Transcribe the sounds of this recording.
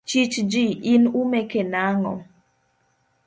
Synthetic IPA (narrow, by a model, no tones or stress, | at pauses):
t͡ʃit͡ʃd͡ʒiʔinumekenaŋɔ̰